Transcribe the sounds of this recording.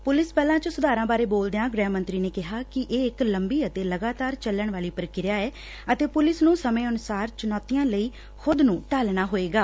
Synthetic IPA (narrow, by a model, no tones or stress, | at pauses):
pʊlɪspɛːlãːt͡ʃəsʊd̪aːɾãːbaːɾeːboːld̪ejãːɡɾɛːmə̃nt̪ɾiːneːkɪɦaːkɪʔeːɪkləmbiːət̪eːləɡaːt̪aːɾt͡ʃəlːəɳʋaːliːpəɾkɪɾjaːɛː | ət̪eːpʊlɪsnũːsəmẽːʊnʊsaːɾt͡ʃʊnɔːt̪ijãːləiː | xʰʊd̪nũːʈaːlɳaːɦoːeːɡaː